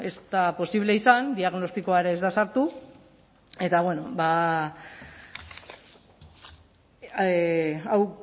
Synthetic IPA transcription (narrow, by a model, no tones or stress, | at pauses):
e̞st̪apo̞siβ̞le̞isand̪iaɣno̞st̪iko̞aɾeːzðasaɾt̪u | e̞t̪aβwe̞no̞ba | aw